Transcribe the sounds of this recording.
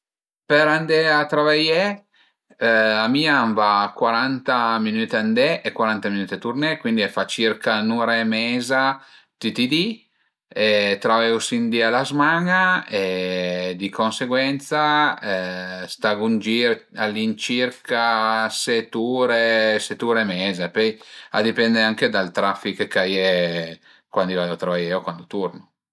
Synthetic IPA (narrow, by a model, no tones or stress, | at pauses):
peɾand̪ɛat̪ɾavajɛ | amiːaɱvakwaɾant̪aminyːt̪and̪ɛʔekwaɾant̪aminyːt̪et̪urnɛkwind̪iɛfat͡ʃirkanuɾemɛːza | t̪it̪id̪i | et̪ɾavɛwsind̪ialazmaŋae | d̪ikonseɡwɛnt̪sa | st̪aɡund͡ʒiɾalːint͡ʃirkʰaset̪uːɾeset̪ːuːɾemɛːzepɔja̰d̪ipɛnd̪eaŋked̪alt̪ɾafːikekaje | kwand̪ivaot̪ɾavajɛokwand̪ot̪urno